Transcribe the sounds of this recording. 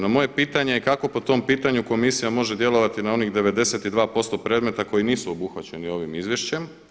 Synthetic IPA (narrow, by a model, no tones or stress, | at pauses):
namo̞je̞piːt̪aɲe̞ikako̞po̞t̪o̞mpiːt̪aɲuko̞misijamo̞ʒe̞d̪je̞lo̞ʋat̪inao̞nixd̪e̞ʋe̞d̪e̞set̪id̪ʋaːpo̞st̪o̞pɾe̞ːd̪me̞t̪ako̞jiniːsuobuxʋat͡ɕe̞nio̞ʋimizʋje̞ʃt͡ɕe̞m